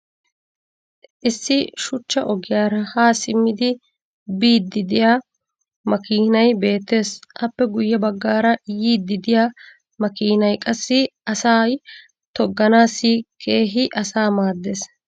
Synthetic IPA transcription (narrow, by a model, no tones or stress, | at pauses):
ʔɪsːɪʃʊt͡ʃːɐʔɔɡɪjaːɾɐhaːsɪmːɪd̪ɪ | biːd̪ːɪd̪ɪjaː | mɐkiːnɐjbe̞ːt̪ːe̞ːsʔɐpːɛɡʊjːɐbɐɡːaːɾɐjiːd̪ːɪd̪ɪjaː | mɐkiːnɐjkʼɐsːɪʔɐsaːj | t̪ɔɡːɐnaːsiːkʰe̞ːɦɪʔɐsaːmaːd̪ːe̞ːs